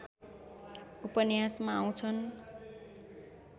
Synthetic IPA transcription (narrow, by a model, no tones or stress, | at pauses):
upʌnjasmaːw̃t͡sʰʌn